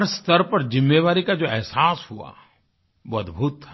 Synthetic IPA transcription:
ɾst̪ɐɾpɐɾzɪmːeːʋaːɾikad͡ʒoːɛɦsaːshua̰ | ʋoɐd̪bʱuːt̪ːa

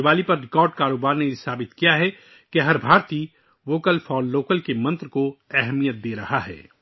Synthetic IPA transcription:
ʋaːlipɐɾːɪkɔːɾɖkaːɾoːbaːɾnejesaːbɪt̪kijaɦɛ | keɦɐɾbʱaːɾt̪i | ʋoːkəlfʰɔːoːkəlkemɐ̃nt̪ɾəkoɛɦmijət̪̚d̪eːɾɐhaɦɛ̰ː

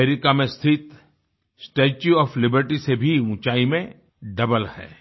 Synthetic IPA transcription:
eɾɪkamẽst̪ʰɪt̪ | sʈeːt͡ʃuɔːflɪbəɾʈisebʱiʊ̃ːt͡ʃaːimẽ | ɖɐbəlhɛ̰ː

